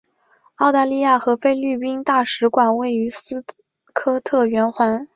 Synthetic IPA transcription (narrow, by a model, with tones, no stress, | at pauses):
ɑ˥˧ʊt̪a˥˧li˥˧ja˥˩xɤ˧˥fe˥ɪly˥˩pi˥nt̪a˥˩ʂɻ̩˧˥kwa˨˩nwe˥˩ɪy˧˥sɹ̩˥ | kʰɤ˥t̪ʰɤ˥˩ɥɛ˧˥nxwa˧˥n